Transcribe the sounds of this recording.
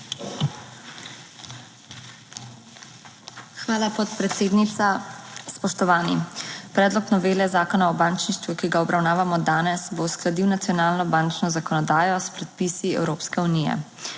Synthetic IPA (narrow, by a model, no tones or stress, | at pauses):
xʋaːlapɔt̪pɾɛt̪seːd̪nit̪saspɔʃt̪ɔʋaːnḭpɾɛːd̪lɔknɔʋeːlɛzaːkɔnaɔbaːnt͡ʃniʃt̪ʋukiɡaɔbɾawnaːʋamɔd̪aːnɛsbosklad̪iwnat̪sijɔnaːlnɔbaːnt͡ʃnɔzakɔnɔd̪aːjɔspɾɛt̪̚pisiɛ̰wɾoːpskɛunijɛ̰